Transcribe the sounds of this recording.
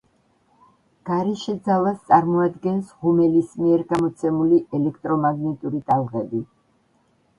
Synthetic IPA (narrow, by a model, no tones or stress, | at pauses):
ɡ̥aɾɛʃɛd̪zalˠast̪sʼaɾmɔad̪ɡɛnsʁumɛlismiɛɾɡamɔt̪sʰɛmuliʔɛlɛkʰt̪ʼɾɔmaɡnɛt̪ʼuɾit̪ʼalˠʁɛbi